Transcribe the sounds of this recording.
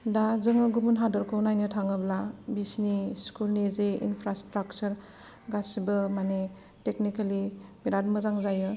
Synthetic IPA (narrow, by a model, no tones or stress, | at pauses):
dazɯŋɯɡubunɦadɔɾkʰonajnɯtʰaŋɯblabisniskulnezeḭnpʰɾastɾak̚t͡ʃɐɾ | ɡasibɯmane | teknikalibiɾadmɯzaŋzajɯ